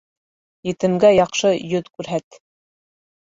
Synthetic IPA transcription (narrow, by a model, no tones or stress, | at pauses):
jɘ̆t̪ɘ̆mɡæjɑqʃɤjɵt̪kʉɾɦæt̪